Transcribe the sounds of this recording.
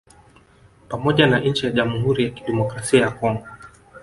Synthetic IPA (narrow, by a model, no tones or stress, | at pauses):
pamɔʄanaɲ̩t͡ʃijaʄamuɦuɾijaki̥ɗɛmɔkɾasiajakɔŋɡɔ